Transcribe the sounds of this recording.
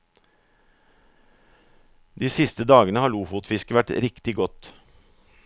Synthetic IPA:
d̪iːsɪst̪əd̪ɑːɡənəhɑːɭuːfʊːt̪fɪskəʋæʈɾɪkt̪ɪɡɔt̪

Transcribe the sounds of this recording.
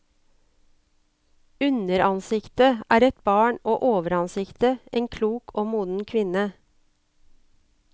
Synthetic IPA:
ʉnəɾɑnsɪkt̪əʔæːɾɛt̪̚bɑːɳoːʔoːʋəɾɑnsɪkt̪əʔeːŋkʰluːkʰoːmuːd̪n̩kʰʋɪnə

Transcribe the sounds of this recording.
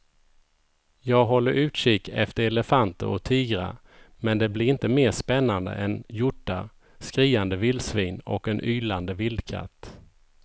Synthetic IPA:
jɑːɡɦɔlːəɾʔʉ̟ːt̪ʂɪkɛ̰ft̪əɾɛləfant̪ə̰ɾɔt̪ʰiːɡɾa̰ | mɛnd̪ɛblɪɾɪnt̪əmeːʂpɛnːand̪ə̰ʔɛnjʊʈːa | skɾiːand̪əvɪld̪sviːnɔ̰kːɛnʔyːland̪əvɪld̪kʰa̰t̪ː

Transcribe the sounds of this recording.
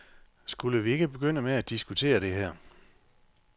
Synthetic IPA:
sɡ̥uləʋie̝ɡ̥əb̥e̝ɡ̥øn̰əmeæd̥isɡ̥ut͡sʰe̝̰ːɐɾ̥e̝ɦæɐ̰

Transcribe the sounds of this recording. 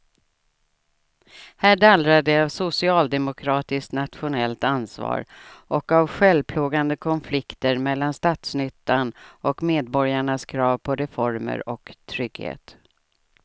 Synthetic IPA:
hæːɖalɾad̪ɛavsʊsɪɑːld̪ɛmʊkʰɾɑːt̪ɪskt̪nat̪ɧʊnɛlt̪ansvɑ̰ːɾʔɔkavɧɛlpʰluːɡand̪əkʰɔnflɪkt̪əɾmɛlːanst̪ɑːt̪snʏt̪ːanʔɔkmeːd̪̚bɔɾjaɳaskʰɾɑːvpʰɔɾɛfɔɾmə̰ɾɔ̰kt̪ʰɾʏɡhḛːt̪

